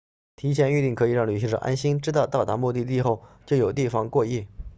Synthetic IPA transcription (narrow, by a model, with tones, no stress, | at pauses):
t̪ʰi˧˥t͡ɕʰjɛ˧˥ny˥˧t̪i˥˩ŋkʰɤ˧˥i˨˩˦ɻɑ˥˩ŋly˨˩ɕi˧˥ʈ͡ʂɤ̰˨˩ʔa̰˥nɕi˥nʈ͡ʂɻ̩˥t̪ɑ˥˧ʊt̪ɑ˥˩ʊt̪a˧˥mu˥˧t̪i˥˧t̪̬i˥˧xo˥˩ʊt͡ɕjo˥˩ʊjo˨˩ʊt̪i˥˩fɑ˧˥ŋkwɔ˥˧i˥˩